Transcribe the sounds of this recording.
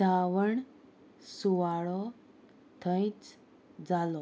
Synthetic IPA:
d͡zaʋəɳ | suʋaɭɔ | t̪ʰə̃jt͡s | d͡zalɔ

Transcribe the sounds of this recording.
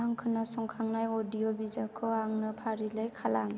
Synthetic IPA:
aŋkʰɯnasɔŋkʰaŋnajɔdijɔbizakʰɯaŋnɯpʰaɾilajkʰalaŋ

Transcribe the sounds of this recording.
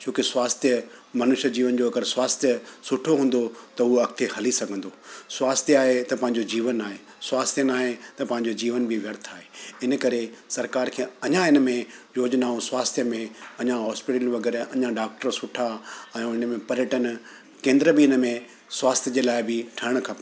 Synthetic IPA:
t͡ɕoːkɪswaːst̪ʰjə | mɐnʊʃəd͡ʑiːʋənd͡ʑoɐɡəɾswaːst̪ʰjəsʊʈʰoɦũːn̆d̪ot̪ɐɦuɐkt̪ʰehɐlisɐɡʱə̃nd̪oːswaːst̪ʰjaːɦet̪ɐpɐ̃ɦɪ̃ɲd͡ʑod͡ʑiːʋənːaːɦeː | swaːst̪ʰjənaːɦet̪ɐpɐ̃ɦɪ̃ɲ̆d͡ʑod͡ʑiːʋənbʱiʋjɐɾt̪ʰaːɦeɪnəkɐɾesɐɾkaːɾkʰeːɐɲãɪnə̆mẽjoːd͡ʑnaːũswaːst̪ʰjəmẽɐɲãɦɔːspɪʈəlʋɐɡɛːɾɐɲãɖaːk̚ʈəɾsʊʈʰaɛ̃ũɪn̆mẽpɐɾjəʈən | kẽːnd̪ɾəbiɪnəmẽ | swaːst̪ʰjəd͡ʑeːlaːɪbɪʈʰɐəɽ̃kʰɐp

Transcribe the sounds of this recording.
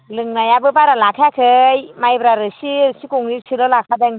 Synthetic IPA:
lɯŋnajabɯbaɾalakʰakʰɯjmajbɾaɾɯsisikuŋnisʰɯlɯlakʰadeŋ

